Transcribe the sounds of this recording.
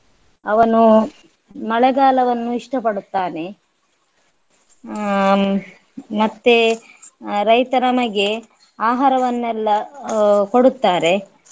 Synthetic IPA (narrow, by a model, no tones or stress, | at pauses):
ɐʋɐnu | mɐɭɐɡaːlɐʋɐnːuiʂʈɐpɐɽut̪ːaːne̞ | mɐt̪ːe | ɾɐjt̪ɐɾɐmɐɡe | aːɦaːɾɐʋɐnːɛlːɐ | ko̞ɽut̪ːaːɾe̞